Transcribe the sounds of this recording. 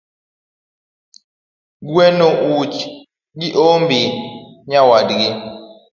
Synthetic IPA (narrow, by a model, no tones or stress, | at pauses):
ɡuwɛnoʔut͡ʃ | ɡiʔombi | ɲawadɡe